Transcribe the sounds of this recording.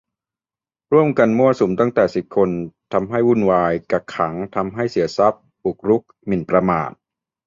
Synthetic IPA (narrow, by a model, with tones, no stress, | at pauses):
ɾu˥˩əmka˧nmu˥˩ɐsu˩˦mt̪a˥˩ŋt̪ɛː˨˩si˨˩p̚kʰo˧nt̪ʰa˧mɦa˥˩jwu˧˥˩nwaː˧jka˨˩kʰːa˩˦ŋt̪ʰa˧mɦa˥˩jsi˩˦ɐsa˦˥p̚bu˨˩k̚ɾu˦˥k̚mi˨˩npɾa˧ma̰ː˨˩t̪̚